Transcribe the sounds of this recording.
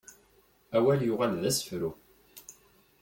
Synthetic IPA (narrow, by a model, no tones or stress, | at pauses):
æwæljʊʁælðæsə̥fɾu